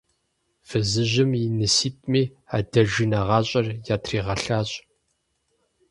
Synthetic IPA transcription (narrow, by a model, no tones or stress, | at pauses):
fɨzɨʑɪminɨsiːtʼmiː | a̰ːdɐʒinɐʁɑːɕʼɐrjaːtʰriːʁɐɬaːɕʼ